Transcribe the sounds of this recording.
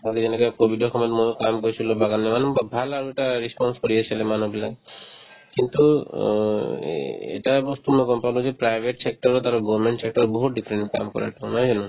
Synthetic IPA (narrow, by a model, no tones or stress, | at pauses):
aked͡ʒenekɔjkobʱiɖɔxʰɔmɔt̪mojkamkoɹisʰulɔbaɡanːemanukbabʱalaɹueʈaɹispɔnskoɹiasʰalɛmanubilaɡ | kint̪u | ḛʈabɔst̪umɔjɡɔnpalɔ̃zepɹajbʱeʈsek̚ʈɔɾɔt̪aɾɔɡɔmeɳʈsek̚ʈɔɾɔbɔɦut̪̚ɖipʰɾeɳʈka̰mkɔ̰ɹa̰ʈʰɔ̃nɔjd͡ʒɔnu